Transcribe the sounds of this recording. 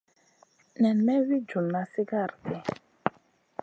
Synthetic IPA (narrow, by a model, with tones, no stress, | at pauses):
nɛ˨nmɛ˦wi˦d͡ʒu˨mna˨si˦ɡa˦˨ɾkɛ˦˨